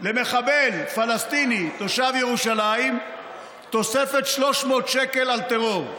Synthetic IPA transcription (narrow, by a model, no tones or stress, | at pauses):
le̞me̞χabelfalast̪init̪o̞ʃavjeʁuʃalaim | t̪o̞sefet̪ʃlo̞ʃmo̞ːt̪ʃekelalt̪eʁo̞ʁ